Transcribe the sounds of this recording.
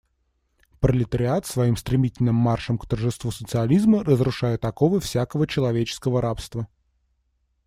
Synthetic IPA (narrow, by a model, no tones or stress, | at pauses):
pɾəlʲɪt̪əɾʲɪat̪svɐimst̪ɾʲɪmʲitʲɪlʲnɨmːarʂəmkt̪ərʐɨst̪vusət̪sɨɐlʲizmərəzɾʊʂajɪt̪ɐkovəfsʲakəvət͡ɕɪlˠɐvʲet͡ɕɪ̥skəvəɾapst̪və